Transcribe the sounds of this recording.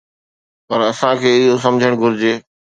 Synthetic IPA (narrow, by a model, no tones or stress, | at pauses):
pɐɾɐsãkʰeːɪɦos̬ɐ̃md͡ʑʱəɽ̃ɡʱʊɾɪd͡ʑeː